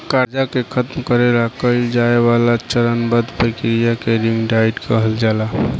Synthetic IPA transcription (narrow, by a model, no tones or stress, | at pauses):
kaɾd͡ʒakekʰət̪mkəɾelakəild͡ʒaeβalat͡ʃəɾənbəd̪pɾəkɾijakeɾimɖaiɖkəɦəld͡ʒala